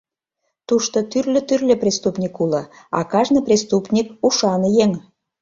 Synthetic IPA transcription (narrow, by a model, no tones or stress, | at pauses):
t̪uʃt̪ot̪yrlʲø̆t̪yrlʲĕprʲest̪upnʲikulɤ̆ | ɑ̰kɑʒnəprʲest̪upnʲikuʃɑnəjeŋ